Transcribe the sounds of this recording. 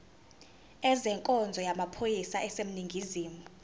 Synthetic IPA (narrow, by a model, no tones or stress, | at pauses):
ɛzɛŋkʼɔnd͡zʱɔjamapʰojisaʔɛsem̩niŋɡʱiziːmu